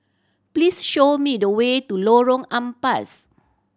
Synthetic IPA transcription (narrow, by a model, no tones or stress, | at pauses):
plisʃomidəwetuloɹɔ̃ŋãmpas